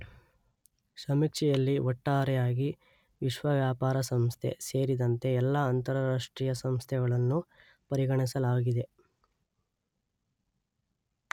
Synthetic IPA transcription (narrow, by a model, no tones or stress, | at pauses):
sɐmikʂɛjɐlːiɔʈːaːɾɛjaːɡi | ʋiʃʋɐʋjaːpaːɾɐsɐmst̪ʰe̞̰seːɾid̪ɐnt̪e̞ɛlːaːnt̪ɐɾɐɾaːʂʈɾiːjɐsɐmst̪ʰɛɡɐɭɐnːu | pɐɾiɡɐɳisɐlaːɡid̪e̞